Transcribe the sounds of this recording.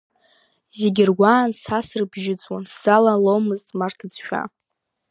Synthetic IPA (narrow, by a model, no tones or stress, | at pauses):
zeɡʲɪrɡʷaːnsasrbʒɪt͡sʼwansz̥alalomɨztʼmartʰat͡sʃᶣa̰